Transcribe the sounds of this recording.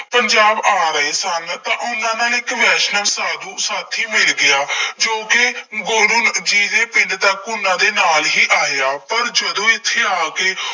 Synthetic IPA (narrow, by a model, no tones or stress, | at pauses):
pəɲd͡ʒaːbaːɾəeːsənt̪ãːʔʊnːãːnãːɪkʋɛːʃnəmsaːd̪uːsaːt̪ʰiːmɪlɡɪaːd͡ʒoːkɪɡoːɽʊnd͡ʒiːd̪eːpɪnd̪t̪aːkːʊnːãːd̪eːnaːlɦiːʔaːejaːpəɾd͡ʒəd̪õːɪt̪ʰːeːaːkeː